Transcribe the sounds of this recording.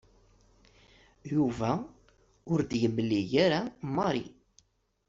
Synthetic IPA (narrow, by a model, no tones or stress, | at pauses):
juvæ | ʊɾd̪ʝməlːijaɾamɑɾḭ